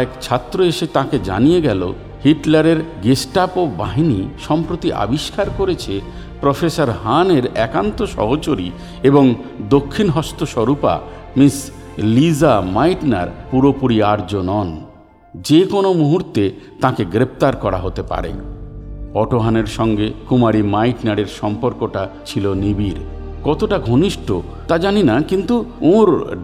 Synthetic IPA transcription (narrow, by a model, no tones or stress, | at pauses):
ɛkt͡ɕʰat̪ːɾoeʃet̪ãked͡ʑa̰nijeɡɛlo̰ | hiʈlaɾeɾɡesʈapoba̰ɦiniʃɔmpɾot̪iʔa̰biʃkaɾkoɾet͡ɕʰe | pɾofesaɾɦaneɾɛkant̪oʃɔ̰ɦot͡ɕoɾi | eboŋd̪okʰːinɦɔst̪oʃɔɾupa̰ | mis | lizamajʈna̰ɾpuɾopuɾiaɾd͡ʑonɔn | d͡ʑekonomuɦuɾt̪et̪ãkeɡɾep̚t̪aɾkɔɾa̰ɦot̪epa̰ɾḛn | ɔʈoɦaneɾʃɔŋɡekumaɾimajʈnaɽeɾʃɔmpoɾkoʈat͡ɕʰilonibiɾkɔt̪oʈaɡʱoniʃʈo | t̪ad͡ʑaninakint̪uoɾ